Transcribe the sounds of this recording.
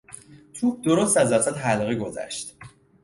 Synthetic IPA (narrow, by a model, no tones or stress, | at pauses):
t̪ʰuk̚ʰd̪o̞ɾost̪æzd̪æɾsæt̪ɦælɣiɡo̞zæ̰ʃt̪